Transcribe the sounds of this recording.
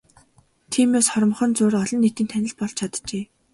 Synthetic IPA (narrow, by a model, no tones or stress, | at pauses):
t̪ʰiːmeːsχɔɾ̆mχɞ̆nt͡sʊːɾɔɮɞ̆nːet̪iːnt̪ʰænʲɪ̆ɮ̚pɔɮt͡ɕʰat̪t͡ɕeː